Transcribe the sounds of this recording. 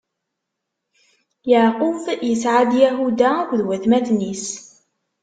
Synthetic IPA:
jaʕqufjəsʕad̪jæɦud̪akʷðwæθmæθnis

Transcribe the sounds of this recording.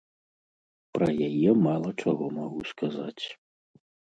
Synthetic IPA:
pɾɐjajɛmalˠɐt͡ʂaɣɔmaɣuskaza̰t͡sʲ

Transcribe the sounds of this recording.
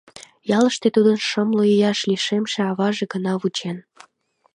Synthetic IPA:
jɑləʃt̪et̪ud̪ənʃəmlojijɑʃliʃemʃeɑβɑʒeɡənɑβut͡ɕen

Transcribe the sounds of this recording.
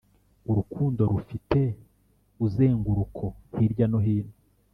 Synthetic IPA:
uɾukʰuːndoɾufite̞ | uzeːŋɡuɾukʰo̞hiɾɟanoɦiːno

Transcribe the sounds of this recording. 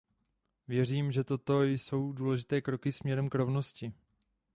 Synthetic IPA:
vjɛr̝iːmʒɛt̪o̞t̪o̞jso̞wduːlɛʒɪt̪ɛːkɾo̞kɪsmɲɛɾɛmkɾo̞vno̞scɪ

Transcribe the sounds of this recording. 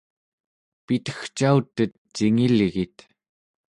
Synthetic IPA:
pit̪ə̥xt͡ʃaut̪ːət̪ːiŋilɣit̪

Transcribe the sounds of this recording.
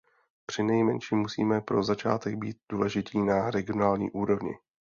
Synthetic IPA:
pr̥ɪnɛjmɛnʃiːmːusḭːmɛpɾozat͡ʃa̰ːt̪ɛɡ̚biːt̪̚d̥uːlɛʒɪt̪iːnaɾɛɡɪonaːlɲḭːʔuːɾo̞vɲɪ̰

